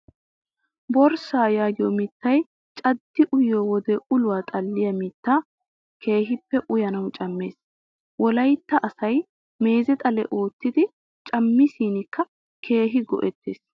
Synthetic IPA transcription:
bɔɾsaːjaːɡɪjɔmɪt̪ːɐj | t͡ʃʼɐd̪ːɪʔʊjowɔd̪ɛʔʊlʊwaːt̪ʼɐlːɪjɐmɪt̪ːaː | kʰe̞ːɦɪpːɛʔʊjɐnɐwt͡ʃʼɐmːe̞ːs | wɔlɐjt̪ːɐʔɐsɐj | me̞ːzɛt̪ʼɐlɛ̰ʔo̞ːt̪ːɪd̪ɪ | t͡ʃʼɐmːɪsiːnɪkːɐ | kʰe̞ːɦɪɡɔ̰ʔɛt̪ːḛːs

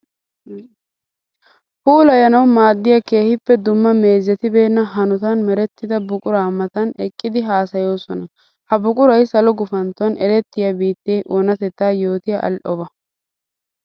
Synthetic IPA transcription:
fuːlɐjɐnɐwmaːd̪ːɪjɐke̞ːhɪpːɛd̪ʊmːɐme̞ːzːɛt̪ɪbe̞ːnːɐɦɐnʊt̪ɐnmɛɾɛt̪ːɪd̪ɐbʊkʼʊɾaːmɐt̪ɐnɛkʼːɪd̪ɪɦaːsɐjo̞ːsɔnɐ | hɐbʊkʼʊɾɐjsɐlɔɡʊfɐnt̪ːɔɐnʔɛɾɛt̪ːɪjɐbiːt̪ːeːʔonɐt̪ɛt̪ːaːjo̞ːt̪ɪjɐʔɐ̰lʔɔbɐ

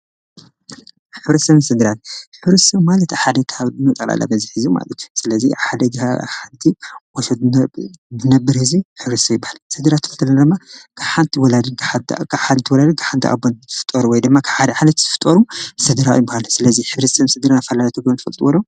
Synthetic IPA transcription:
ħɨβɾɐt̪sɐβnsɨd̪ɨɾanħɨβɾɐt̪sɐβmalɐt̪aħad̪ɐkʰhaβdɨnɐt̪ʼɐlʔa̰lʔa̰bɐziħizuma̰lɐt̪ʰjusɨlɐziħad̪ɐɡha̰ħant̪ʰiwɔʃɐd̪̚ | dɨnɐbːɨɾhɨziħɨβɾɨsɐβjɪbːahalsɨd̪ɨɾat̪ʰɨfɨt̪ʰːɐlɐnad̪ɨmːakʰaβħant̪ʰiwɔlad̪ɨkʰħakʰaħad̪nt̪ʰiwɔlad̪ɨkʰḁħant̪ʰiʔa̰bːont̪ʰɨ̥fɨ̥t̪ʼːɐɾuwɔjd̪ɨmːakʰḁħad̪ɐʕalɐt̪t̪ʰɨfɨ̥t̪ʼːɐɾusɨd̪ɨɾawjbːahalsɨlɐziħɨβɾɐt̪sɐβnsɨd̪ɾanfɐlalat̪ʰɨɡɾont̪ɨ̥fɐlt̪ʼuwɔlːo

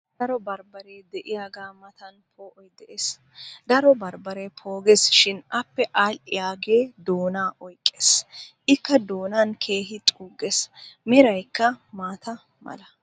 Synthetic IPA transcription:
d̪ɐɾɔbɐɾbɐɾeːd̪ɛʔɪjaːɡaːmɐt̪ɐnpʰoːʔɔjd̪ɛʔes | d̪ɐɾɔbɐɾbɐɾeːpʰo̞ːɡɛsʃɪnɐpːɛʔaːlʔɪjaːɡe̞ːd̪oːnaːʔɔjkʼːeːsʔɪkːɐd̪oːnankʰe̞ːɦɪt̪ʼuːɡesmɪɾɐjkːɐmaːt̪ɐ | mɐ̰lɐ

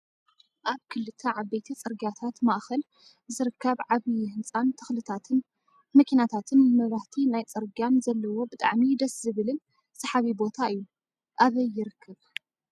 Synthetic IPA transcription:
ʔaβkʰɨlːɨt̪ʰːɐʕabːɐjt̪ʰit͡sʼɐɾɡiat̪ʰat̪maʔxɐl | zɨɾɨkʰːɐβʕaβihɨnt͡sʼant̪ʰɐxlɨt̪ʰat̪ʰɨn | mɐkʰinat̪ʰat̪ʰɨnmɐβɾaht̪ʰinajt͡sʼɐɾɡanzɐlːɐwo̞bɨt̪ʼa̰ʕmid̪ɐszɨβɨlɨn | sɐħaβibo̞t̪ʰaɨjːu | ʔaβɐjːɪɾɨkʰːɐβ

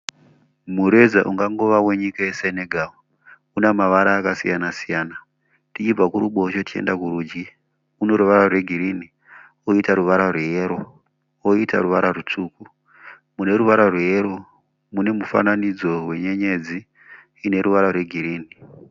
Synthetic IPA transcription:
muɾe̞d͡zaʔuŋɡaŋɡo̞ʋawe̞ɲikajeseneɡʱawo | unemaʋaɾaːkasijanasijaːna | tit͡ʃib͡vakuɾuɓoːt͡ʃotit͡ʃe̞̰ndakuɾuːd͡ʒɡi | uno̞ɾuʋaɾarwe̞ɡʱiɾini | oitaɾuʋaɾarwejeɾo̞ | woita̰ɾuʋaɾarut͡ʂuku | mune̞ɾuʋaɾarwejero | mune̞mufa̰nanid͡zo̞we̞ɲe̞ɲe̞d͡ziː | ne̞ɾuʋaɾarwe̞ɡʱiɾiːni

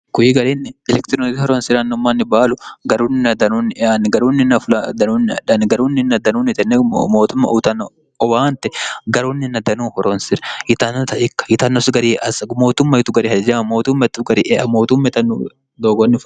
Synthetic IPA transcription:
kʊjɪɡɐɾiːnːɪɛlɛkt̪ɪɾont̪ihɔɾoːnsɪɾɐnːʊmːaːnːɪbaːlʊɡɐɾuːnːɪnɐd̪ɐnuːnːɪɛʔanɡɐɾuːnːɪnːɐfʊlad̪ɐnuːnːɪɐᶑɐnɡɐɾuːnːɪnːɐd̪ɐnuːnɪt̪ɐnːɛmoːt̪ʊmːɐ̰ʔut̪ɐnː | ɔwaːnt̪ɛɡɐɾuːnːɪnːɐd̪ɐnuːhɔɾɔnsɪɾjɪt̪ɐnːɐt̪ɐʔɪkːɐ̥jɪt̪ɐnːɔsɡɐɾiːɐsmo̞ːt̪ʊmːɐjɪt̪ʊɡɐɾiːhɐd͡ʒɐɐmoːt̪ʊmːɐt̪ːʊɡɐɾiːʔɛɐmo̞ːt̪ʊmːɐɪt̪ɐnːṵ | d̪oːɡɔnːɪf

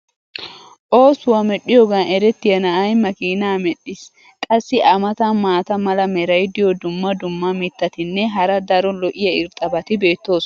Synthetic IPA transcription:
ʔo̞ːsʊwɐmɛɗːɪjɔɡɐnʔɛɾɛt̪ːɪjɐnɐʔɐjmɐkiːnaːmɛɗːɪs | kʼɐsːɪʔɐmɐt̪ɐnmaːt̪ɐmɐlɐmɛɾɐjd̪ɪjɔd̪ʊmːɐd̪ʊmːɐmɪt̪ːɐt̪ɪnːɛɦɐɾɐd̪ɐɾɔlɔʔɪjɐɪɾt̪ʼɐbɐt̪ɪbe̞ːt̪ːo̞ːs

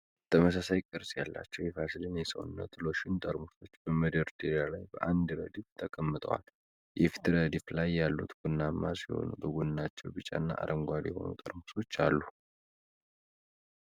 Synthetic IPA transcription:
t̪ʰəməs̬asajkʼəɾsʼjalːa̰t͡ʃːɛwjɛfasɨd̪ɨnjɛsə̰wɨnːə̰t̪ʼlo̞ʃɪnt̪ʼəɾmuso̞t͡ʃːbəməd̪əɾt̪ʰʼiɾijalajbəʔand̪ɾə̰d̪ift̪ʰəkʼəmːɨt̪ʼə̰wa̰l | jɛfi̥t̪ɾəd̪iflajːalːut̪ɡ̥unːamːasiho̞̰nubəɡunːat͡ʃːɛwbɨt͡ʃʼa̰nːa̰ʔa̰ɾʔəŋɡʷad̪jɛho̞̰nṵt̪ʼəɾmuso̞t͡ʃːalːu

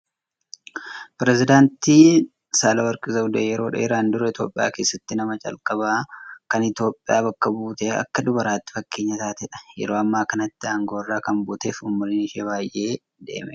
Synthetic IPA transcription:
pɪɾɛzɪd̪aːnt̪iː | saːlɐwɐɾkʼɪzɐʊd̪ejɛɾo̞ːᶑḛːɾaːnd̪ʊɾɐɪt̪jo̞̰ːpʼːɪja̰ːke̞ːsːɐt̪ːɪnɐmɐt͡ʃʼɐ̰lkʼɐβaːkɐnɪt̪jo̞ːpʼːɪja̰ːbɐkːɐbuːt̪eːɐ̰kːɐd̪ʊbɐɾaːt̪ːɪ̥fɐkːe̞ːɲːɐt̪aːt̪ɛᶑɐ̥jɛ̰ɾoːɐmːaːkɐnɐt̪ːɪaːŋɡoːrːaːkɐmbuːt̪e̞ːfʊmːʊlɪnɪʃeːβaːjʔe̞ː | d̪ḛːmɛ

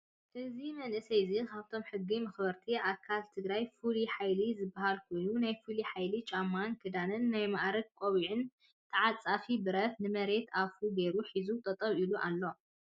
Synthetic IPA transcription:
ʔɨzimɐnʔɨsɐjzikʰaβt̪ʰo̞mħɨɡːimɐxbɐɾt̪ʰiʔakʰːalt̪ʰɨɡɾajfuliħajlizɨbːahalkʰo̞jnunajfuliħajlit͡ʃʼamːankʰɨd̪anɨnːajmaʔɾɐk̚kʷʼoβiʕɨn | t̪ʰɨʕat͡sʼːafibɨɾɐt̪nɨmɐɾe̞t̪ʰafuɡe̞ɾuħizut̪ʼɐt̪ʼɐβiluʔalːo̞

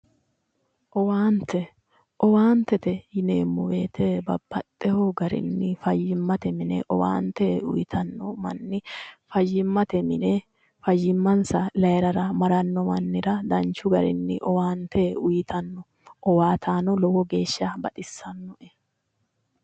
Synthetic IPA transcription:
ʔɔwaːnt̪ʰɛ | ʔɔwaːnt̪ɛt̪ɛjɪneːmːʊweːt̪ʰebɐ̰bːɐt̪ʼːɛhɔɡɐɾɪ̰nːɪfɐjːɪmːɐt̪ɛmɪnɛ̰ʔɔwa̰ːnt̪ɛʊ̰jɪt̪ʰɐnːɔmɐ̰nːɪfɐjːɪmːɐt̪ɛmɪne | fɐjːɪmːɐnsɐlɐjɛɾɐɾɐmɐɾɐnːɔmɐnːɪɾɐd̪ɐnt͡ʃːʊɡɐɾɪ̰nːɪ̰ʔɔwaːnt̪ʰɛʊjɪt̪ʰɐnːɔ | ʔɔwaːt̪ʰaːnɔlɔwɔɡeːʃːabɐt̪ʼɪsːɐnːɔʔɛ

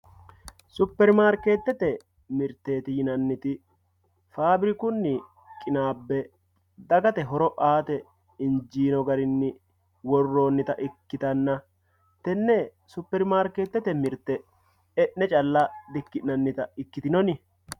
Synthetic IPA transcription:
sʊpːɛɾmaːɾkeːt̪ːɛt̪ɛ | mɪɾt̪ːe̞ːt̪ɪjɪnɐnːɪt̪ɪ | faːbɾɪkʊnːɪ | kʼɪnaːbːɛ | d̪ɐɡɐt̪ɛɦɔɾɔʔaːt̪ɛ | ɪnd͡ʒiːnɔɡɐɾɪnːɪ | wɔrːo̞ːnːɪt̪ɐʔɪkːɪt̪ɐnːɐ | t̪ɛnːɛ | sʊpːɛɾmaːɾkeːt̪ːɛt̪ɛmɪɾt̪ːɛ | ɛʔnɛt͡ʃʼɐlːɐd̪ɪkːɪnɐnːɪt̪ɐɪkːɪt̪ɪnɔnɪ

